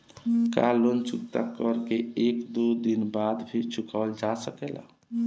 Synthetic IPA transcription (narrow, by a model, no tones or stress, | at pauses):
kalont͡ʃukt̪akəɾkeekd̪ud̪inbad̪bʰiɾt͡ʃʰukʰald͡ʒasəkela̰